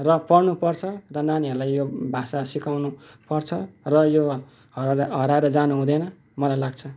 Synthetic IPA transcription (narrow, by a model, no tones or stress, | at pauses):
rʌpʌɽnupʌrt͡sʰʌrʌnaniɦʌɾulajjobʱasasikawnu | pʌrt͡sʰʌrʌjo | ɦʌɾaeɾʌd͡zanuɦũd̪ʌnʌ | mʌlajlaɡt͡sʰʌ